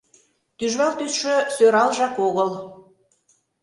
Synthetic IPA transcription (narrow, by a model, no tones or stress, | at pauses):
t̪yʒβɑlt̪ysʃøsøɾɑlʒɑkoɣəl